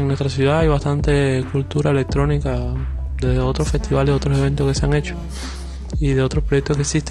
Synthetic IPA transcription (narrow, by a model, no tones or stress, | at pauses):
ŋnwe̞st̪ɾasjuðaajβast̪ant̪e̞kult̪uɾaele̞k̚t̪ɾo̞nikad̪eðeo̞t̪ɾofe̞st̪iβaleo̞t̪ɾosee̞nt̪oske̞seaŋe̞t͡ʃo | iðeo̞t̪ɾospɾojek̚t̪okeksist̪e